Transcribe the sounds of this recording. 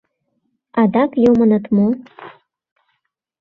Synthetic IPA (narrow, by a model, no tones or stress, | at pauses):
ɑd̪ɑkjomɤ̆nɤ̆t̪mo